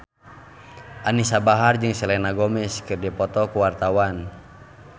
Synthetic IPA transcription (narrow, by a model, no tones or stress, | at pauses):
ʔanisabaɦard͡ʒɨŋsɛlɛnaɡɔmɛskɨrdipɔt̪ɔkuwart̪awan